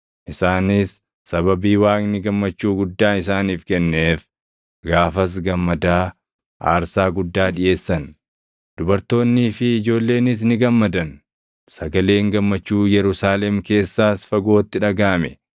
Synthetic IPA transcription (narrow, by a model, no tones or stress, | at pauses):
ʔɪsaːnɪsː | ɐbɐbiːwaːknɪɡɐmːɐt͡ʃːuːɡʊd̪ːaːɪs̬aːniːfkɛnːe̞ːf | ɡaːfɐs̬ɡɐmːɐd̪aː | ʔa̰ːɾsaːɡʊd̪ːaːᶑɪje̞ːsːɐn | d̪̥ʊbɐɾt̪o̞ːnːiːfɪːd͡ʒo̞ːlːe̞ːnɪs̬nɪɡɐmːɐd̪ɐn | sɐɡɐle̞ːŋɡɐmːɐt͡ʃːuːjɛɾʊsaːlɛmke̞ːsːaːsfɐɡo̞ːt̪ːɪᶑɐɡaːmɛ